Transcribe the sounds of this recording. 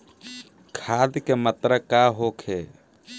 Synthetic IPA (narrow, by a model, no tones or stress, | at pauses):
kʰaːd̪kemət̪ɾəkaɦokʰe